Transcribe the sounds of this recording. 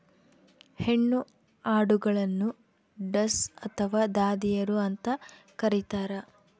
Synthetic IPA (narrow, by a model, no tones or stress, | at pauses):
he̞ɳːu | aːɽuɡɐɭɐnːu | ɖɐsɐt̪ʰɐʋaːd̪aːd̪ijɐɾuɐnt̪ɐ | kɐɾit̪aːɾɐ